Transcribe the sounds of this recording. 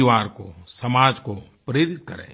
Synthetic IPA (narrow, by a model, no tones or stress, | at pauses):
iʋaːɾko̰sɐmaːd͡ʒko | pɾeːɾɪt̪̚kɐɾḛ̃ː